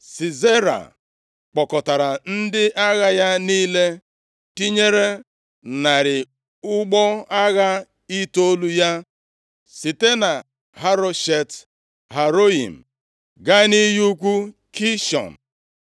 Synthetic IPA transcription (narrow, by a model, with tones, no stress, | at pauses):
si˨ze˦ɾa̰˨ | k͡pɔ˨kɔ˨ta˨ɾa˨n̩˦dɪ˦ʔa˦ɣa˦ja˦niː˦le˦ | ti˦ɲe˦ɾe˦ | na˨ɾɪ˨ | ʊ˦ɡ͡bɔ˦a˦ɣa˦ | i˦to˦lu˦ja˦ | si˨te˦na˨ | ɦa˦ɾo˦ʃe˨t | ha˨ɾo˦ḭ˨m̩˨ | ɡa˦ni˦ju˦kʷu˦ | kʰi˦ʃɔ̰˨n̩˨